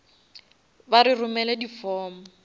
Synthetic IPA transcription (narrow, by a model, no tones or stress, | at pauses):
baɾirʊmɛlɛdifɔːmɔ